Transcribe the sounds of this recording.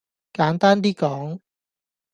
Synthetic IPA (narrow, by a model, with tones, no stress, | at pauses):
kaː˨˥nt̪aː˥nt̪̬iː˥kɔː˨˥ŋ